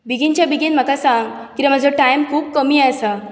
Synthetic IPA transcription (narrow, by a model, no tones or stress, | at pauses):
biɡint͡ɕjabiɡinm̤əkasãŋɡkiɾam̤ad͡zʱəʈajmkʰuːb̚kəmiːasa